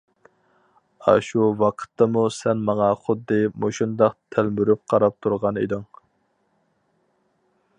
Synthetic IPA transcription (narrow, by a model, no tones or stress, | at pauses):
ɑ̰ʃuwɑqʰə̥t̪ʰːɑmusɛnmɑŋɑχʊd̪ːɨmoʃund̪ɑqt̪ʰælmyɾyp̚qʰɑɾɑp̚t̪ʰuɾʁɑnḛd̪ɪŋ